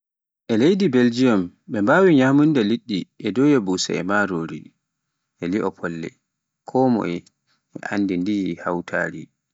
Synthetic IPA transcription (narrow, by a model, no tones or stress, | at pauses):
ʔɛlejdibeld͡ʒijɔmɓɛmbaːwiɲaːmundaliɗːiʔɛdɔjɛbusa̰ɛ̰maɾoɾi | ʔɛliʔɔpʰɔlːɛ̰ | kʰɔːmɔ̰ɛ | ʔɛ̰ʔa̰ndindijhawtʰa̰ːɾi